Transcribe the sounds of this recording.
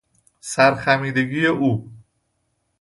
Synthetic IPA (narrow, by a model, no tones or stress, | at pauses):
sæɾxæmiːd̪e̞ɡiːjeʔuː